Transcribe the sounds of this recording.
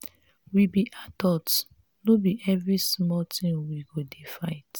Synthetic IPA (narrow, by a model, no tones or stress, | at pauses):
wibiʔadɔt | nobiʔɛvɹismɔltĩŋwiɡodefaɪt